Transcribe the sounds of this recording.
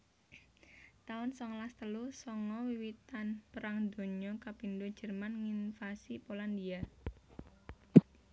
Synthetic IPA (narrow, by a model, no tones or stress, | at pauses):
t̪aʊnsɔŋlast̪əlusɔŋɔwiwit̪anpəɾaŋd̪o̤ɲɔkapindud̥d͡ʒ̥ə̤rmanŋinfasipolandia